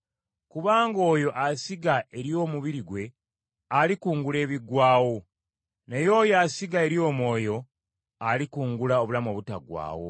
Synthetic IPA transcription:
kuβaːŋɡo̞ːjo̞ʔasiɡaʔe̞ɾjo̞ːmuβiɾiɡwe̞ | alikuːŋɡule̞ːβiɡwaːwo̞ | nejo̞ːjasiɡae̞ɾjo̞ːmwo̞ːjo̞ | alikuːŋɡulao̞βulamo̞βutaɡwa̰ːwo̞̰

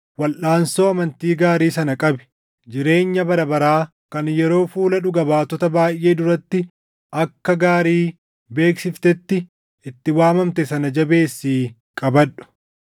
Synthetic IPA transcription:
wɐlʔaːnso̞ːɐmɐnt̪iːɡaːɾiːsɐnɐkʼɐbɛ̥ | d͡ʒɪɾe̞ːɲːɐbɐɾɐbɐɾaː | kɐnjɛɾo̞ːfuːlɐᶑʊɡɐbaːt̪ɔt̪ɐbaːjʔe̞ːd̪ʊɾɐt̪ːɪ | ʔɐkːɐɡaːɾiː | be̞ːksɪft̪ɛt̪ːɪ | ʔɪt̪ːɪwaːmɐmt̪ɛsɐnɐd͡ʒɐbe̞ːsːiː | kʼɐbɐᶑʊ̥

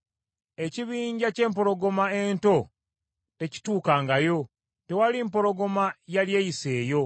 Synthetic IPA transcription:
e̞ciβiːɲɟace̞ːmp̬o̞ɾo̞ɡo̞mae̞nto̞ | te̞ci̥tuːkaːŋɡajo̞ | te̞waliːmpo̞ɾo̞ɡo̞majaljejise̞ːjo̞

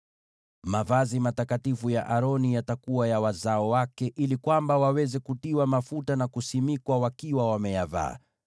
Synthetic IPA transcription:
mavazimatakatifujaʔaɾɔnijatakuwajawazaɔwakɛʔilikwambawawɛzɛkutiwamafutanakusimikwawakiwawamɛjava̰ː

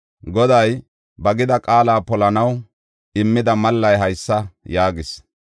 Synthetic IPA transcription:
ɡɔd̪ɐj | bɐɡɪd̪ɐkʼaːlaːpɔlɐnɐw | ɪmːɪd̪ɐmɐlːɐjɦɐjsːɐjaːɡɪs

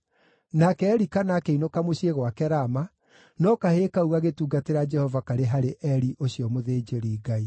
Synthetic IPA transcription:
nakɛːɾikanakeinokamoɕieɣwakɛɾama | nɔkaheːkauɣaɣetuːɡateɾad͡ʒɛhɔvakaɾeɦaɾeʔɛɾiʔoɕijɔmoðeːd͡ʒeɾiːɡai

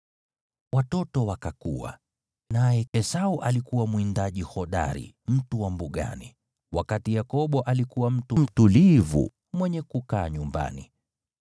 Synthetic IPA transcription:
watɔtɔwakakuwa̰ | najɛɛsauʔalikuwamwindaʄihɔɗa̰ɾḭ | m̩tuwambuɠa̰nḭ | wakatijakɔɓɔʔalikuwam̩tum̩tulivṵ | mwɛɲɛkukaːɲumba̰nḭ

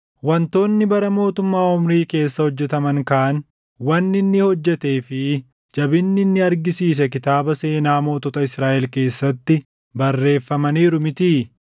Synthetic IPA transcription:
wɐnt̪o̞ːnːɪbɐɾɐmo̞ːt̪ʊmːaːʊmɾiːke̞ːsːɐhɔd͡ʒːɛt̪ɐmɐŋkɐʔɐn | wɐnːɪnːɪhɔd͡ʒːɛt̪e̞ːfɪ | d͡ʒɐbɪnːɪnːɪɐɾɡɪsiːs̬ɛkɪt̪aːbɐse̞ːnaːmo̞ːt̪ɔt̪ɐɪsɾaːʔɛlke̞ːsːɐt̪ːɪ | bɐrːe̞ːfːɐmɐniːɾʊmɪt̪iː

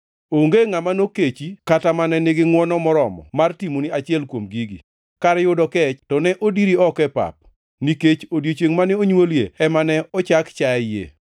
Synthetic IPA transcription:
oŋɡeŋamanoket͡ʃikatamanɛneɡɪŋwɔnɔmɔɾɔmɔ̰martimoniat͡ʃɪɛlkwomɡiɡḭ | kaɾɛjʊdɔkɛt͡ʃtɔnɛʔodiɾiɔkɛpa̰p̚ | niket͡ʃodjet͡ʃeŋmanɛoɲwoljḛɛmanɛɔt͡ʃakt͡ʃajḛ

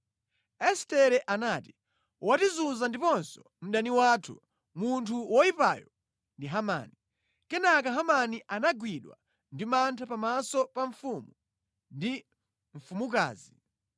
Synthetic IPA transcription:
ɛstɛɾɛʔanaːti | watizunzandipɔnsɔ̥ | m̩ɗaniwaːtʰṵ | muntʰuwɔipa̰jɔ | ndiɦama̰ːni | kɛnakaɦamaniʔanaɡwiɗwa̰ | ndimantʰapamasɔpaɱfumu | ndi | ɱ̩fumuk̬a̰ːzi

